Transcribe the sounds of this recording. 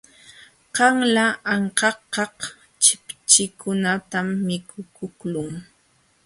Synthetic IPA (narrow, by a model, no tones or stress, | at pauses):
qɑŋlaʔːɴqɑqːɑq | t͡ʃɪpt͡ʃɪkʊnat̪amːɪkʊkʊklʊŋ